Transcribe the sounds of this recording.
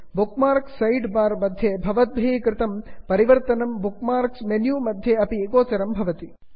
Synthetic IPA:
bukmaːɾksːɐjɖbaːɾmɐd̪ʱjebʱɐʋɐt̪̚bʱeːikɾɪt̪ɐmpɐɾiʋɐɾt̪ɐnɐmbukmaːɾksmenjuːmɐd̪ʱjeɐpiɡoːt͡ʃɐɾɐmbʱɐʋɐt̪i

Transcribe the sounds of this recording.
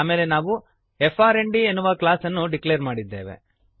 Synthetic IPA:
aːmeːlenaːʋu | efʰaːɾeɳɖienːuʋɐklaːsɐnːuɖiklejɾmaːɽid̪ːeːʋḛ

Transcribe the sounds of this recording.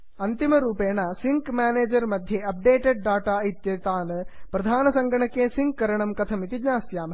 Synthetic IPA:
ɐnt̪imɐɾuːpeːɳɐsiŋkmaːneːd͡ʒɐɾmɐd̪ʱjeɐp̚ɖeːʈeɖ̚ɖaːʈait̪jɐt̪aːnɨpɾɐd̪ʱaːnɐsɐŋɡʱɐɳɐkːeːsiŋkːɐɾɐɳɐmkɐt̪ʰɐmit̪iɲaːsjaːm

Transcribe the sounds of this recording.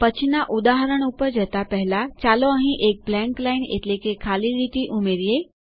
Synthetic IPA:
pət͡ɕʰinaʔud̪aɦəɾəɳ̃upəɾd͡ʒɛt̪apəɦlat͡ɕaloəɦĩʔek̚blɛ̃ŋklainḛtlekekʰaliɾit̪iʔumeɾije

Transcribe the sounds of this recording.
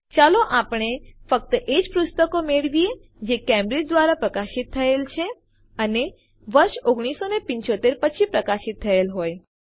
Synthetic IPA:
t͡ʃaloʔapɳ̃efək̚t̪əʔed͡ʒpɾust̪əkomeɭʋie | d͡ʒekɛmɾed͡ʒd̪ʋaɾapɾəkaʃit̪ʰːəelt͡ʃʰe | əne | ʋəɾʃoɡɽ̃isonepɪ̃ɲt͡ʃot̪eɾpət͡ʃʰipɾəkaʃit̪ʰːəelɦoj

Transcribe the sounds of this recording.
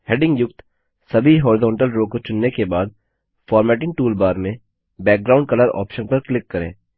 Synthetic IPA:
heːɖɪ̃ŋɡjʊkt̪ | sɐbʱiɦɔːɾɪzɔ̃ːɳʈəlɾoːkot͡ʃʊnːekebaːd̪̚ | fɔːɾmɛːʈɪ̃ŋɡ̚ʈuːlbaːɾmẽ | bɛːk̚ɡɾaːʊ̃ɳɖ̚kɐləɾɔ̰ːpʃənpɐɾklɪkːɐɾḛ̃ː

